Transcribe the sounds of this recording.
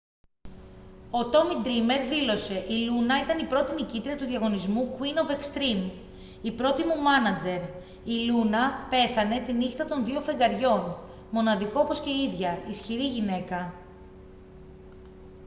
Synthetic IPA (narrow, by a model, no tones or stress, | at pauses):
o̞t̪o̞mid̪ɾime̞ɾðilo̞se̞ʔilunɐit̪ɐnipɾo̞t̪inicit̪ɾiɐt̪uðjɐɣo̞nizmukwino̞vekst̪ɾim | ipɾo̞t̪imumɐnɐd͡ze̞ɾ | ilunɐpe̞θɐne̞t̪inixt̪ɐt̪o̞nðiofe̞ŋɡɐɾʝo̞n | mo̞nɐðiko̞opo̞sce̞iðʝɐisçiɾiʝine̞kɐ